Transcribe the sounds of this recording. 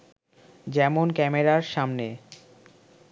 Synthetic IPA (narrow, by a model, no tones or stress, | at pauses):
d͡ʑɛmonkɛmeɾaɾʃamne